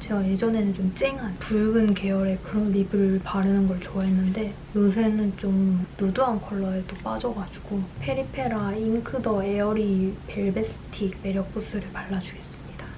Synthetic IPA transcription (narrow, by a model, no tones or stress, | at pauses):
t͡ɕe̞ɡaje̞d͡ʑʌne̞nɯnt͡ɕomt͡ɕ͈eŋɦanpuɭɡɯnke̞ʌɾe̞kɯɾʌnɾibɯɾɯɭpaɾɯnɯnɡʌɭt͡ɕoaɦenːɯnde̞ | jos̬ʰenɯnt͡ɕomnoduɦankʰʌɭːʌetop͈ad͡ʑʌɡad͡ʑu̥ɡopʰe̞ɾipʰe̞ɾainkʰɯdʌeʌɾipeɭbesʰɯ̥tʰime̞ɾjʌk̚p͈usʰɯɾɯɭpaɭːad͡ʑuɡe̞s͈ɯmɲida